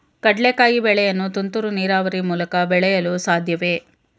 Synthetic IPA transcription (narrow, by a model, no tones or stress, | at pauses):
kɐɖɭekaːjibɛɭɛjɐnːut̪unt̪uɾuniːɾaːʋɐɾimuːlɐkɐbɛɭɛjɐlusaːd̪ʱjɐʋe̞